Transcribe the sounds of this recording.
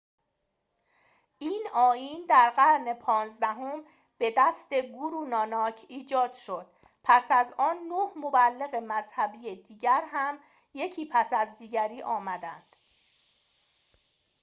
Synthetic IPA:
ʔiːnɒːjiːnd̪æɾɢæɾne̞pʰɒːnzd̪æɦom | b̥e̞d̪æst̪e̞ɡuɾuːnɒːnɒːcʰiːd͡ʒɒːd̪̥ʃo̞d̪̥ | pʰæsæzɒːnːohmo̞bælːe̞ɣe̞mæzhæbiːjed̪iːɟæɾɦæm | je̞cʰiːpʰæsæzd̪iːɟæɾiːʔɒːmæd̪ænd̪̥

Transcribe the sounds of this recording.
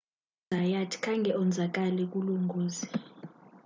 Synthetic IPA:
ajatʰi̥kʰaŋɡʱɛɔnd͡zʱak̬ʼalɛk̬ʼuluŋɡʱoːzi

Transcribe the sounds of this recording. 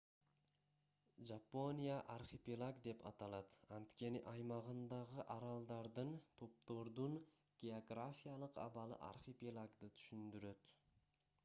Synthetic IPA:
ʒapːo̞nʲijaʔarχepʲilˠaɡd̪e̞pʰɑ̰t̪ɑlˠɑt̪ɑnt̪kʲʰe̞nɪʔɑjmɑʁənd̪ɑʁəʔɑɾɑlˠd̪ɑɾd̪ənt̪ʰo̞p̚t̪o̞ɾd̪un | ɡ̥ʲeoɡrafʲijalˠəqɑ̰bɑlˠə̰ʔa̰ɾχepʲelˠaɡd̪ət̪ʰy̥ʃynd̪yɾø̞t̪

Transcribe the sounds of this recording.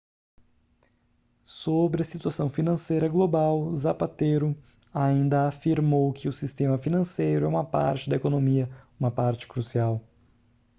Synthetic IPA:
sobɾɪɐsit̪uasɐ̃w̃finɐ̃sejɾɐɡlobawzapat̪eɾʊ | aĩnd̪ɐafiɾmowkʰɪʊsist̪ẽmɐfinɐ̃sejɾʊɛũmɐpa̰ɾt͡ʃɪd̪ɐekonomiɐũmɐpaɾt͡ʃɪ̥kɾusiaw

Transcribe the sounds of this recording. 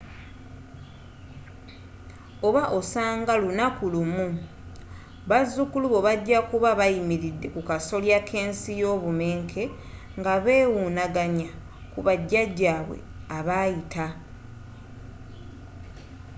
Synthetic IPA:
oβaʔo̞saːŋɡalunakulumu | βazːukuluβo̞βaɟːakuβaβajimiɾidːe̞kukaso̞ljakʰe̞ːnsijo̞ːβume̞ːŋkʰe̞ | ŋɡaβe̞ːwunaɡaɲa | kuβaɟːaɟːaːβwḛ | aβajita

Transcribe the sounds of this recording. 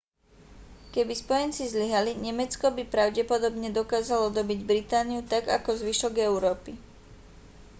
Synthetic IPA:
kɛbispɔjɛnt͡sizʎiɦaliɲɛmɛt͡skɔbipɾaʊɟɛpɔd̪ɔbɲɛd̪ɔkaːzalɔd̪ɔbiɟbɾit̪aːniut̪aɡakɔzʋiʃɔɡɛʊɾɔːpi

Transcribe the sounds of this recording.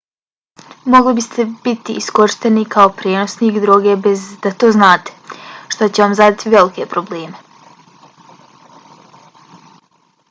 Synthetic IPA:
mo̞ɡlibist̪ʰe̞bit̪iiskoɾʃt̪e̞nikʰaopɾeːnosniːkd̪ɾoːɡebezd̪at̪o̞ːznaːt̪e̥ʃt̪ot͡ɕeʋamzad̪at̪iʋe̞likepɾo̞bleːme̞

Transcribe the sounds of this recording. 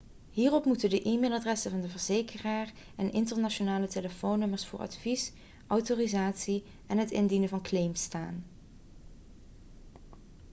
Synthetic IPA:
ɦiːrɔpmutəndəʔiːmeːlˠadrɛsəvɑndəvəɹzejkʰəraːr | ɛnʔɪntəɹnaonaːləteləfownːɵməɹsfʊːɹɑ̰tfis | ʔɔwtoːrizaːtsi | ʔɛnɦətɪ̰ndinəvɑnklejmsta̰ːn

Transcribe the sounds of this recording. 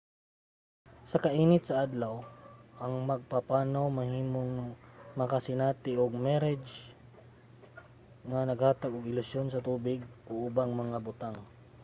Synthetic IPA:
sɐkɐʔiːnɪt̪̚sɐʔad̪lɐwʔɐŋmɐɡ̚papaːnawmɐhiːmoŋmɐkasɪnaːt̪ɪʔoɡ̚mɛɾɛd͡ʒ | ŋɐnɐɡhaːt̪ɐɡoɡɪlʊsjonsɐt̪uːbɪɡ̚ʔoʔʊbaŋmɐŋabʊt̪aŋ

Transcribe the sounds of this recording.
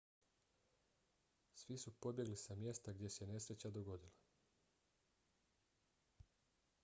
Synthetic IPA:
sʋisupo̞bje̞ɡlisamje̞st̪aɡd̪je̞seene̞sɾet͡ɕad̪oɡo̞d̪ilˠa

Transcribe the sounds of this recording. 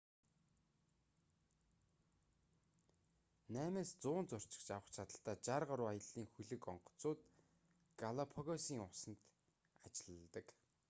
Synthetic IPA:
næːmeːst͡sʊːnt͡sʊr̥t͡ɕɪ̥̆kt͡ɕawə̆χt͡ɕʰat̪ə̆ɬt̪aːt͡ɕarʁə̆ɾʊːajə̆ɮːiːŋxɵɮɘ̆kɔɴɢɞ̥̆t͡sʊːt̪ | ɡ̥alɔpʰɔɣɔsiːŋʊsə̆nt̪ | at͡ɕɪ̆ɮt̪ə̆k

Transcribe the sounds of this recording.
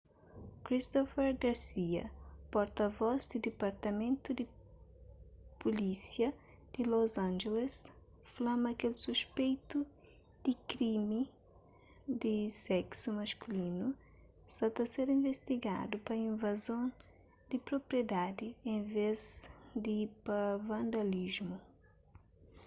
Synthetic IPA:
kɾist̪ɔfɛɾɡaɾsiɐ̰pɔɾt̪ɐvɔzd̪ɪd̪epaɾt̪ɐmẽnt̪ud̪ɪ | pulisjɐ | d̪̥ɪlozɐ̃nʒeles | flɐ̃mɐkelsuspejt̪u | d̪̥ɪkɾimɪ | d̪ɪsɛksumɐskulinu | sɐt̪ɐseɾĩɱvest̪iɡa̰d̪upɐĩnvazõn | d̪ɪpɾopɾjed̪ad̪ɪẽvezd̪ipɐvɐ̃nd̪aliʒmu

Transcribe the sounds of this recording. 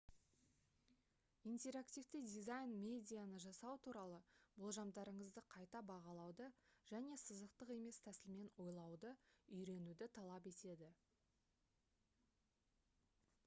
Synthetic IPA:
int̪e̞ɾakt̪ʲift̪ɪd̪ʲizajnmʲe̞d̪ʲijanəʒɑsɑwt̪ʰuɾɑlˠəbʊlˠʒɑmd̪ɑɾəɴəzd̪əqʰɑjt̪ɑbɑʁɑlˠɑwd̪əʒ̥æne̞səzəqt̪əqe̞me̞st̪ʰæsɪlme̞nwo̞jlˠɑwd̪əʏjɾe̞nud̪ɪt̪ʰɑlˠɑpe̞t̪e̞d̪ɪ

